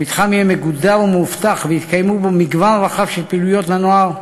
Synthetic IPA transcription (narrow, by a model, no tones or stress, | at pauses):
mit̪χamiemeɡud̪avumuft̪aχveit̪kajmubomiɡvanʁaχafʃelpilujot̪lanoaʁ